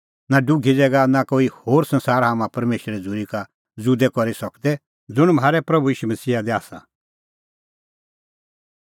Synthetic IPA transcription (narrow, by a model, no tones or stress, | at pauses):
naɖʊɡʱid͡zɛːɡanakoːihoːɾsɐ̃nsaːɾɦamãpɐɾmeːʃəɾɛd͡zʊɾika | d͡zud̪ɛkɔɾisɐkd̪ɛ | d͡zʊɽ̃mɦaːɾɛpɾɐbuiːʃumɐsiːad̪ɛaːsa̰